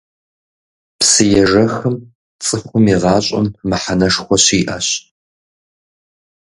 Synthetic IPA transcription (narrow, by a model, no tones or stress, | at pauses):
psɨjɛʐɐxɨm | t͡sʼɨxʷʊmiʁɑːɕʼɐ̰mːɨħanɐʂxʷɔɕiːʔɐɕ